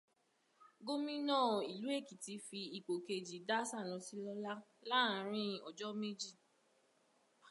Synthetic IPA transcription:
ɡo˦mĩ˦nɔ̃ː˦˨i˨lu˨˦e˦˨ki˨ti˧˦fi˧i˨k͡po˨ke˧d͡ʒi˨da˦sa˦˨lɔ̃˨˧si˧˦lɔ˧la˦la˦˨˦ɾ̃ĩ˦ɔ˨d͡ʒɔ˦me˦d͡ʒi˦˨

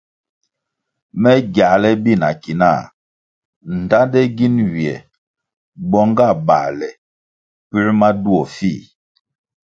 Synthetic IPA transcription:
mɛ˦ɡja˨lɛ˦bi˦˨na˨ki˨na̰˦˨ | n̩˨ta˦ndɛ˦ɡi˦nwi˨ɛ˨ | bɔ˦ŋɡa˦˨ba̰˨lɛ˨ | pi˦ɾma˦du˦ɔ˨fi˦˨

